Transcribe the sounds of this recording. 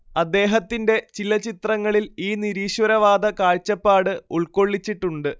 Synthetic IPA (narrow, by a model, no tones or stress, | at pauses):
ɐd̪ːe̞ːɦɐt̪ːinde̞t͡ɕilɐt͡ɕit̪rɐŋːɐɭiliːniɾiːɕwɐɾɐʋaːd̪ɐkaːɻt͡ɕːɐpːaːɽɨuɭko̞ɭːit͡ɕːiʈːuɳɖɨ